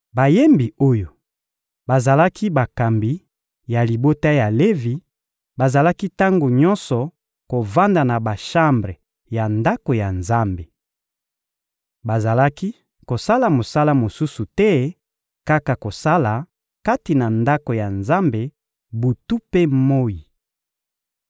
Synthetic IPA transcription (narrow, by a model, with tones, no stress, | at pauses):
ba˨je˦mbi˨o˦jo˨ | ba˨za˨la˦ki˦ba˨ka˨mbi˨ | ja˨li˨bo˦ta˦ja˨le˦vi˨ | ba˨za˨la˦ki˦ta˦ŋɡo˨ɲɔ˦nsɔ˨ | ko˨va˦nda˨na˨ba˨ʃa˦mbʁe˨ | ja˨nda˦ko˨ja˨nza˦mbe˨ | ba˨za˨la˦ki˦ | ko˨sa˦la˨mo˨sa˦la˦mo˨su˦su˨tɛ˦ | ka˦ka˨ko˨sa˦la˨ | ka˦ti˨na˨nda˦ko˨ja˨nza˦mbe˨ | bu˨tu˦pe˦mo˦ji˨